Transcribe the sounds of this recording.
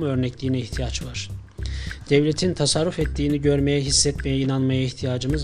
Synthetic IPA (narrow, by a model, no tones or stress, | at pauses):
muø̞ɾnɛclʲiːnɛiçt̪ʰijat͡ʃvaɾ̥ | d̪̥ɛvlʲet̪ʰint̪ʰasaɾːufɛt̪ʰːiːniɟø̞ɾmejɛɦisːɛt̪mejɛinanmajaiçt̪ʰijaːd͡ʒɯmɯz